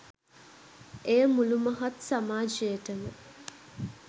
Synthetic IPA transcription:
ejəmuluməɦɐt̪samaːd͡ʒejəʈəmə

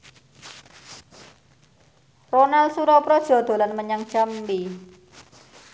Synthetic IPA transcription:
ronalsuɾɔpɾɔd̥ʒ̥ɔ̤d̪̥o̤lanməɲaŋ̥t͡ʃambi

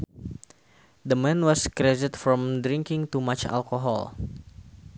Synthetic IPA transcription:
d̪əmɛ̃nwɔskɾɛdɪt̪fɾɔ̃mdɾĩŋkɪ̃ŋt̪umat͡ʃa̰lkoɦɔ̰l

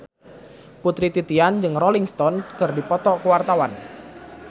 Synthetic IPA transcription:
put̪ɾit̪it̪iand͡ʒɨŋrɔliŋst̪ɔnkɨrdipɔt̪ɔkəwart̪awan

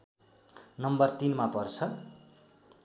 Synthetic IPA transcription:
nʌmbʌrt̪inmapʌrt͡sʰʌ

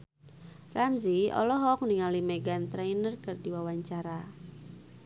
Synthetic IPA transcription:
pɾamziɔ̰lɔɦɔk̚niŋalimɛɡant̪ɾɛjnərkɨrdiwawaɲt͡ʃaɾa

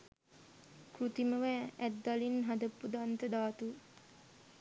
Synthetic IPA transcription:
krut̪iməʋææd̪ːalinɦad̪əpːud̪ant̪əd̪aːt̪u

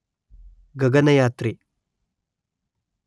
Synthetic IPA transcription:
ɡɐɡɐnɐjaːt̪ɾi

